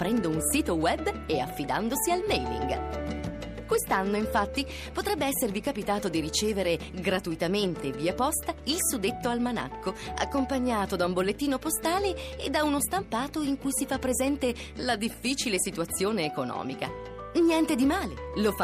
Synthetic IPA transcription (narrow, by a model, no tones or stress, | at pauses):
pɾɛnd̪ounsiːt̪owɛbːea̰fːid̪a̰nd̪osialmɛjlḭŋɡ | kwest̪anːoiɱfat̪ːi | pot̪ɾɛbːeɛsːervikapit̪aːt̪od̪iɾit͡ʃeːveɾe | ɡɾat̪uit̪ament̪eviapɔst̪ailsud̪et̪ːoalmana̰kʰːoa̰kːompaɲːaːt̪od̪aumbolːet̪ːiːnopost̪aːleed̪ːaunost̪ampaːt̪oiŋkujsifapːɾezɛnt̪e | lad̪ifːiːt͡ʃilesit̪uat̪sːjoːneːkonɔ̰ːmika̰ | njɛnt̪ed̪imaːlelofa